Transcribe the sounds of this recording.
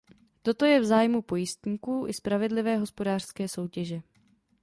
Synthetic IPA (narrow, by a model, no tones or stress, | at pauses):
t̪o̞t̪o̞jɛvzaːjmupo̞jɪst̪ɲiːkuːʔɪspɾavɛdlɪvɛːɦo̞spo̞daːr̥skɛːso̞wcɛʒɛ